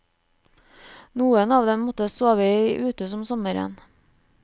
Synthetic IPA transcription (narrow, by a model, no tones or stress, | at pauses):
nuːənɑːʋd̪ɛmmɔt̪əsoːʋəʔʉːt̪əsɔmsɔməɾɛ̰n